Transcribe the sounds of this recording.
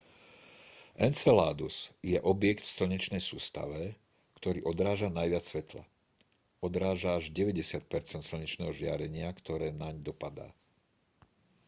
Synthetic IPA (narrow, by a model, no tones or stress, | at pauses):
ʔɛnt͡sɛla̰ːd̪usjɛʔɔbjɛkt̪fsl̩ɲit͡ʃnɛjsuːst̪a̰ʋɛ | kt̪ɔɾḭːʔɔd̪ɾaːʒanajʋɪat͡sːʋɛt̪la̰ | ɔd̪ɾaːʒaːʒɟɛʋɛɟɛsɪat̪̚pɛɾt͡sɛnt̪sl̩ɲit͡ʃnɛːɦɔʒɪa̰ɾɛɲɪakt̪ɔɾɛːnaɲd̪ɔpad̪a̰ː